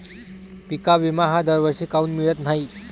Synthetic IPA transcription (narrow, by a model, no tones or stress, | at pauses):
pikaʋimaɦad̪əɾʋəɾɕiːkauːnmiɭət̪n̤ai